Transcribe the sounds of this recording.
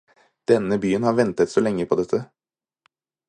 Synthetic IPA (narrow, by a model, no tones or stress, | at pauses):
d̪̥ɛnːəbyːənhɑːɾʋɛnt̪ət̪solɛŋːəpʰɔd̪ɛt̪ʰːə